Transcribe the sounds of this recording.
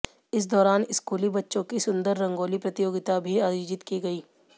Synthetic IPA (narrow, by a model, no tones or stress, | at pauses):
ɪs̬d̪ɔːɾaːnɪskuːlibɐtːʃõkisʊ̃nd̪əɾːɐ̃ŋɡoːlipɾɐt̪ɪjoːɡɪt̪abʱiaːjoːd͡ʒɪt̪kiɡɐiː